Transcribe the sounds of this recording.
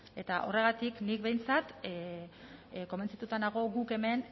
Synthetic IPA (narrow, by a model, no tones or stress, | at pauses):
e̞t̪aʔo̞̰re̞ɣ̞at̪iknik̚βe̞jnt͡sat̪ | ko̞ment͡sat̪ut̪anaɣ̞o̞ɣuke̞me̞n